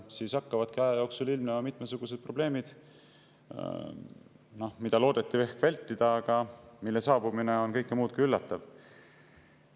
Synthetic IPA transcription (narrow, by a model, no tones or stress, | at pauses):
siːsɑkːɑvɑd̪̥kiɑjɑjo̞ːksulilmneɑmit̪mesuɡ̥use̞d̪̚pro̞b̥le̞ːmid̪̥ | no̞hmid̪ɑlo̞ːd̪̥et̪ːˑive̞hkvælʲt̪ˑːid̪̥ɑːɡ̥ɑmilːe̞sɑːbumineo̞nkɤ̞jkːˑemuːt̪kylːɑt̪ːˑɑv